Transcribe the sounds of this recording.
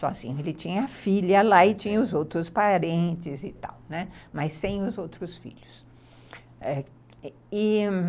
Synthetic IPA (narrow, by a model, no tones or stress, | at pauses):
sɔ̰zḭ̃ɲʊelɪt͡ʃĩɲɐɐfiʎɐlaɪt͡ʃĩɲɐʊzowt̪ɾʊspaɾẽnt͡ʃɪzɪt̪a̰wnɛmɐjsːẽj̃ʊzowt̪ɾʊsfḭʎʊs | ɛ | ɪ